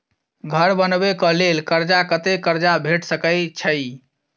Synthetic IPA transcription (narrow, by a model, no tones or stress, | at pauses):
ɡʱəɾbənbekɔ̃lelkəɾd͡ʒakət̪ekəɾd͡ʒabʱeʈsəkəjt͡ʃʰəɪ